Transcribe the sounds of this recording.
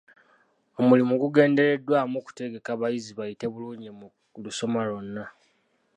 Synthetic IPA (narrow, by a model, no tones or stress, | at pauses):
o̞mulimuɡuɡe̞ːnde̞ɾe̞dwaːmuku̥te̞ɡe̞kaβajiziβajite̞βuluːɲemu | luso̞malonːa